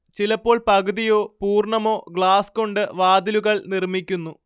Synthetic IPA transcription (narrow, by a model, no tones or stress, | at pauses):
t͡ɕilɐpːo̞ːɭpɐɣɨðijoːpuːrɳɐmo̞ːɡɭaːsko̞ɳɖɨʋaːd̪iluɣɐɭnirmikʲːunːu